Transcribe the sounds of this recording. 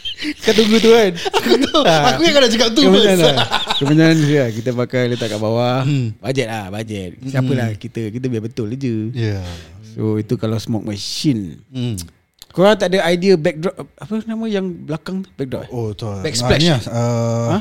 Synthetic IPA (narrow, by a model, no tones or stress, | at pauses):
kat̪̬uŋɡut̪̬uanaut̪aakuɲkadat͡ʃəkap̚t̪ukəməɲãnakəməɲãnsiakit̪əpakalət̪aʔkaʔbawabad͡ʒɛt̪̚lahbad͡ʒɛt̪̚siapəlahkit̪əkit̪əbiabət̪ʊlad͡ʒəjasoit̪ukalawsmɔk̚maʃin | koɾaŋt̪aʔdəajdiəbɛk̚dɾɔp̚apənamə̃jaŋblakaŋt̪bɛk̚drɔ̰p̚oət̪obɛk̚splɛiaəã